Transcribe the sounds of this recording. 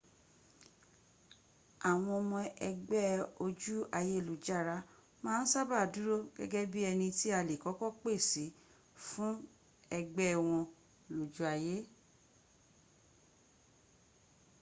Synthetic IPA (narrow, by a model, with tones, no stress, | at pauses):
a˨w̃ɔ̃˧o˧mɔ̃˧ɛ˧ɡ͡bɛ˦o˧d͡ʒu˦a˧je˦˨lu˨d͡ʒa˦˨ɾa˧˦ | mãː˦n̩˦sa˦ba˦˨du˨˦ɾo˦ɡɛ̰˦ɡɛ˦bi˦ɛ˧nĩ˧ti˦a˧le˨kɔ˨˦kɔ˦k͡pe˦˨si˨˦ | fũ˦ | ɛ˧ɡ͡bɛ˦˧w̃ɔ̃˧ | lo˨d͡ʒu˨˦a˧je˦